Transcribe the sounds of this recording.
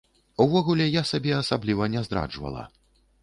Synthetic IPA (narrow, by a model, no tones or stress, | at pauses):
uwvɔɣulʲɛjasabʲɛasablʲivɐnʲɛzd̪ɾa̰d͡ʐvɐ̰lˠɐ̰